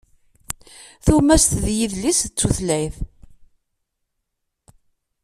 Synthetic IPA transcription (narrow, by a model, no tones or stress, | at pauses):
θumæst̪ðjiðlist͡sːuθlæjθ